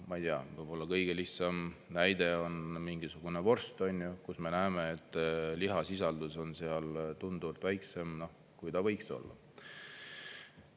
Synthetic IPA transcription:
mɑjt̪iɑ̰vɤjb̥o̞lːɑkɤjɡ̥e̞lihsɑmnæjd̪̥e̞o̞nmiŋɡisuɡ̥une̞vo̞rst̪onʲjukusme̞næeme̞et̪ːˑliɦɑsis̬ɑld̪̥uso̞nseɑlt̪und̪uvɑlt̪væjkse̞mno̞ | kujt̪ɑvɤjkso̞̰lːɑ̰

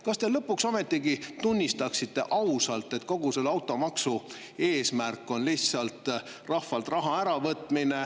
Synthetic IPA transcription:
kɑst̪e̞lɤpːuksɑme̞t̪ːˑiɡit̪unʲːist̪ɑksit̪ːˑe̞ʔɑwsɑlt̪ːˑe̞t̪ko̞ɡ̥use̞lːɑwt̪ːˑo̞mɑksu | e̞ːsmærkːˑo̞nliçssɑlt̪ | rɑhfɑlt̪rɑɦɑæɾɑvɤt̪ːˑmine̞

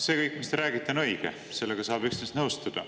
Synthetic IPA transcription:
se̞kɤjkkːˑmist̪e̞ɾæːɡ̥it̪ˑːenɤjɡ̥ḛ | se̞lːeɡ̥ɑsɑːb̥yksnest̪nɤwst̪ud̪̥ɑ

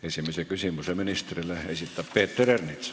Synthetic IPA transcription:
esimesekysimyseminist̪rilːeesit̪ːæppeːt̪ːerernit̪s

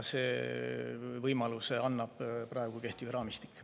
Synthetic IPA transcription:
se̞ː | vɤjmɑlusɑnːɑb̥prɑeɡkuke̞ht̪ivɾɑːmist̪i̥kːˑ

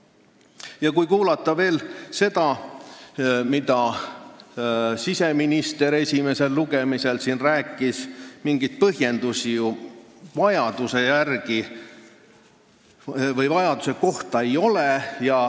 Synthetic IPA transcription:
jɑkujkuːlɑt̪ˑːɑve̞ːlse̞d̪̥ɑ | mid̪ɑ | sise̞minist̪e̞ɾe̞sʲime̞se̞lːuɡ̥e̞mise̞lsinræːkːˑismiŋɡ̥ijt̪̚pɤɦje̞nd̪̥usijuvɑjɑd̪̥use̞jærɡ̥i | vɤjvɑjɑd̪̥use̞ko̞ht̪ɑe̞jo̞lejɑ

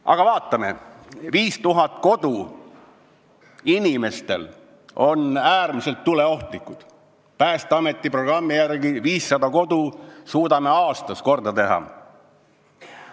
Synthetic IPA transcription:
ʔɑ̰ɡ̥ɑvɑːt̪ːˑɑme̞̰viːst̪uɦɑt̪̚ˑko̞d̪̥u | inime̞st̪e̞̰l | o̞næːrmise̞lt̪ːule̞o̞ht̪likːˑud̪̥ | pæːst̪eɑme̞t̪ːˑipro̞ɡ̥rɑmːijærɡiviːsːɑd̪ɑko̞d̪̥usuːd̪ɑme̞ɑːst̪ɑsko̞rd̪̥ɑt̪e̞ɦɑ̰

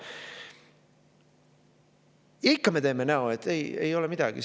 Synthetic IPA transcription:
jikːɑme̞t̪eːme̞næoet̪ːˑeje̞̰jo̞lɛmid̪̥ɑɡ̥ḭ

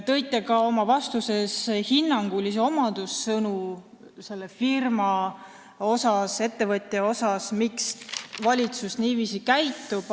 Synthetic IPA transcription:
t̪ɤ̞jt̪ːˑekɑo̞mɑvɑst̪use̞shinːɑŋɡ̥ulis̬eo̞mɑd̪̥usːɤnu | se̞lːefirmɑ | o̞sɑse̞t̪ːe̞vɤt̪ʲːˑjeo̞sɑsmiksvɑlʲit̪susniːviːsikæjt̪ːˑub̥

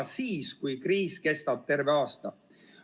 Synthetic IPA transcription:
siːskujkɾiːskest̪ɑt̪ːerveɑst̪ɑ

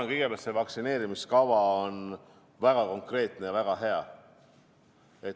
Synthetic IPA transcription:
ɑŋɡ̥ijɡ̥epælt̪sevɑksine̞ːɾimiskɑvɑon | væɡ̥ɑko̞ŋkre̞ːt̪ne̞jɑvæɡ̥ɑɦe̞ɑ | e̞t̪

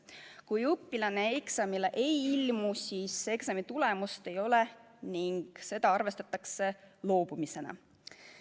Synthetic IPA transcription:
kujɤpːilɑne̞eksɑmileʔe̞jilmusiːse̞ksɑmit̪ule̞must̪e̞jo̞le | niŋɡ̥se̞d̪ɑɑrve̞st̪ɑt̪ːˑɑkse̞lo̞ːb̥umise̞nɑ̰

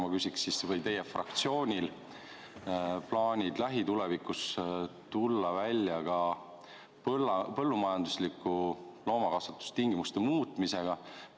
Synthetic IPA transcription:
mɑkysʲiksːisvɤjt̪e̞jefrɑ̰kt̪sio̞ːnʲil | plɑːnʲid̪læɦit̪ule̞vikˑust̪ulːɑvælʲːjɑɡɑ | plːpɤ̞lːumɑjɑnd̪uslikːˑulo̞ːmɑkɑsɑt̪ːu̥st̪iŋɡ̥imust̪e̞muːt̪ˑmise̞ɡ̥ɑ

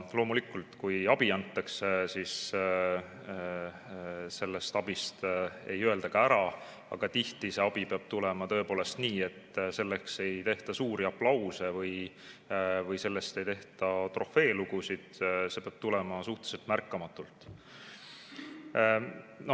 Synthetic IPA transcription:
lo̞ːmulikːˑult̪kujɑb̥iɑnt̪ːˑɑksesiːs | se̞lːe̞st̪ɑb̥ist̪e̞̰jøe̞ld̪̥ɑɡ̥ɑæɾɑ | ɑ̰ɡ̥ɑt̪iht̪ise̞ɑb̥ipeɑb̥̚t̪ulemɑt̪ɤ̞e̞po̞ːle̞st̪niːe̞t̪ːse̞lːekse̞jt̪e̞ht̪ɑsuːɾiɑplɑwse̞vɯj | vɯjse̞lːe̞st̪e̞jt̪e̞ht̪ɑt̪ro̞fe̞ːluɡ̥usid̪̥se̞peɑb̥t̪ulemɑsuht̪e̥selt̪mærkːˑɑmɑt̪ːˑult̪ːˑ | no

